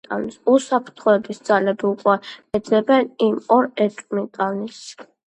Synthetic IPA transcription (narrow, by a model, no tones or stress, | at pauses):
t̪ʼa̰nisusapʰɾt̪ʰχɔɛbisd̪zalɛbiukʼwɛɛd̪zɛbɛnimɔɾɛt̪ʼmit̪ʼanis